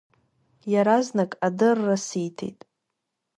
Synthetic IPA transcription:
jaɾaznakʼadɨrːasijtʰḛjtʼ

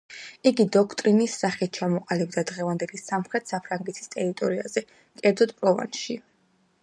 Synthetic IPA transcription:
iɡid̪ɔkʰt̪ʼɾinisːaχit̪̚t͡ʃʰamɔqʼalib̚d̪ad̪ʁɛvand̪ɛlisamχɾɛt̪ʰsapʰɾaŋɡɛt̪ʰi̥st̪ʼɛɾit̪ʼɔɾiaz̥ɛ | kʼɛɾd̪zɔd̪̚pʼɾɔva̰nʃi

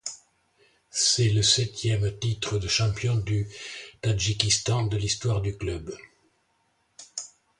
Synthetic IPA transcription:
sɛləsɛt̪jɛmt̪it̪χəd̪əʃɑ̃pjɔ̃d̪yt̪aʒikʲist̪ɑ̃d̪əlist̪waʁd̪yklœb

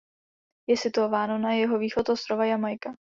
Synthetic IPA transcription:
jɛsɪt̪uovaːnonajɛɦo̞viːxot̪ʔost̪ɾovajamajka

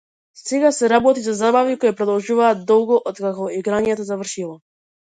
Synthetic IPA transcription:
sɛɡasɛɾabɔt̪izazabavikɔjapɾɔd̪ɔlˠʒuvaːt̪̚d̪ɔlˠɡɔʔɔt̪kakɔiɡɾaɲɛt̪ɔzavrʃilˠɔ

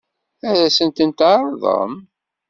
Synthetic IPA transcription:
æɾæsənt̪ənt̪aɾˤðˤə̰m

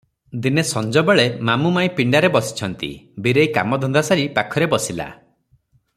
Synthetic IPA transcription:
d̪inesɔnd͡ʒɔbeɭemamumaj̃piɳɖaɾebɔsi̥t͡ʃʰɔnt̪ḭbiɾejka̰mɔd̪ʱɔnd̪asaɾipakʰɔɾebɔsila̰

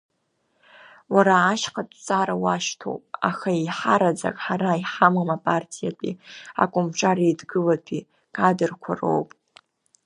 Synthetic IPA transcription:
waɾaːʃχatʼt͡sʼaɾawaʃtʰo̞̰pʼa̰χaiħaɾad͡za̰kʼħaɾaiħamamapʼartʰijapʼia̰kʷʼʊmʈ͡ʂʷʰʼaɾajdɡɨlatʰi | kʼadɨrkʷʰaro̰wpʼ

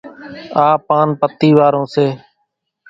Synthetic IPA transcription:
aːpaːnpət̪ːiːʋaːɾõːseː

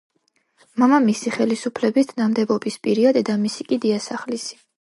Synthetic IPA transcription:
mamamisiχɛlisupʰlɛbist̪ʰnamd̪ɛbɔbispʼiɾiad̪ɛd̪amisikʼid̪iasaχlisi̥

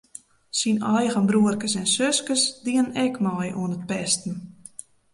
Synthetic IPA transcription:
sinɔjɣənbɾuərkəsɛnsøskəsdiənɛkmɔjʔṵənət̚pɛstn̩

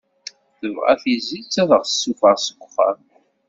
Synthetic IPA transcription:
θəvʁa̰θizːit͡sːæðəʁsːufəʁsəɡʷχə̰m

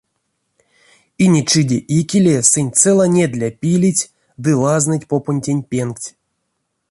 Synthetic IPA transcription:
inʲit͡ʃɨdʲeʔikʲilʲesɨnʲt̪t͡s̪ɛlˠanʲed̪ʲlʲapʲilʲitʲ | d̪ɨlˠaznɨtʲpoponʲtʲenʲpʲenktʲ

